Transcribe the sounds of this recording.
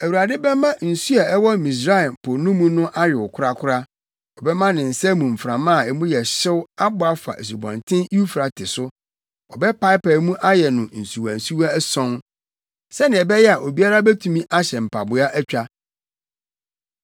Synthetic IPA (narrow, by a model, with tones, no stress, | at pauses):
æ˨wu˨ɾa˨dɪ˦bɛ˦mã˦n̩˨su˦a˨ɛ˦wɔ˦mĩ˨s̬ɾa˦˨mpʰʊ˨nʊ̃˦mũ˦nʊ̃˦ʔa˦jᶣɪ˨wʊ˨kʰʊ˦a˦kʰʊ˦ɾa˦ | ɔ˨bɛ˦mã˦nɪ̃˨n̩˨sɛ˦mũ˨m̩˨fɾã˨mã˦˨ɛ˨mũ˦jɛ˨ɕɪ˦wa˦bʊ˨˦a˨fa̰˨ʔe˨s̬u˨bɔ̰̃˨ntʰɪ̃˦nu˦u˦fɾa˨tʰɪ˨sʊ˦ | ɔ˨bɛ˦pa˦ɪ˦pɛ˨mũ˦ʔa˦jɛ˨nʊ̃˨n̩˨su˨wã˨n˨su˦wa˦sɔ̃˦n | sɛ˦nɪ̃˨ɛ˨bɛ˦jɛ˦a˨ʔo˨bi˦a˦ɾa˦bɛ˦tʰũ˨mĩ˦ʔa˦ɕɛ˨m̩˨pʰa˨bʊ˨a˦ʔæ˦t͡ɕᶣa˦